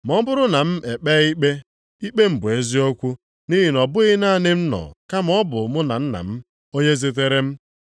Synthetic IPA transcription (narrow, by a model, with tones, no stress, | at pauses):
m˨ɔ˦m̩˦bʊ˦ɾʊ˦na˨m̩˦ʔe˨k͡pɛː˦i˦k͡pe˦ | i˦k͡pe˦m̩˨bʊ˨e˦zi˦o˦kʷu˦ | ni˦ɦi˨nɔ˨bʊ˦ɣɪ˦na˦˨nɪ˦m̩˦nɔ̰˨ka˦m˦ɔ˦bʊ˨mʊ˦na̰˨n̩˦na̰˨m̩˦ | o˦ɲe˦ze˦t̬e˦ɾe˦m̩˦